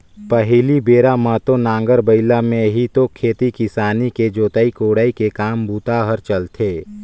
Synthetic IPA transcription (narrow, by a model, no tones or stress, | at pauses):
pəɦɪlibeːɾamət̪onãːŋɡəɾbəɪlamẽɦit̪okʰeːt̪ikɪsaːniked͡ʒoːt̪aːikoːɽaːikekaːmbuːt̪aɦəɾt͡ʃəlt̪ʰeː